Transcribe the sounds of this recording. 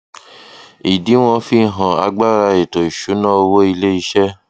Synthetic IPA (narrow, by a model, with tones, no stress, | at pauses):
i˨di˨˦w̃ɔ̃˧fi˦˨ɦã˨a˧ɡ͡ba˦ɾa˧e˨to˨i˨ʃu˨˦nã˦o˧wo˦i˧le˦i˧˦ʃɛ˦